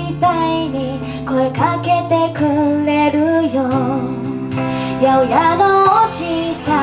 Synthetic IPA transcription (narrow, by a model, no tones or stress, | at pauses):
d̪aiɲi | koekaket̪ekɯɾe̞ɾɯjo | jaɯjanoɕita